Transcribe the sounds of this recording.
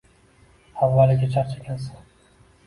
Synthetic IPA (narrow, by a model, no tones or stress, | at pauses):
avːalɪɡʲat͡ʃʰaɾt͡ʃʰɪkʲansḁn